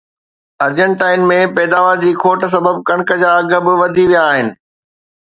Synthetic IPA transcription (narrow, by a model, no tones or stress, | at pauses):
ɐɾd͡ʑə̃ɳʈaːɪnmẽpɛːd̪aːʋəɾd͡ʑiːkʰoːʈəs̬ɐbəb̚kɐ̃ɽ̃kəd͡ʑaːɐɡə̆bɪʋɐd̪ʱiʋijaːɦɪnɪ̆